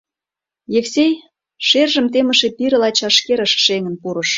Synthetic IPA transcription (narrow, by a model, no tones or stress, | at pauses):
jefsej | ʃerʒə̆mt̪emə̆ʃepiɾəlɑt͡ɕɑʃkeɾəʃʃeŋənpuɾə̆ʃ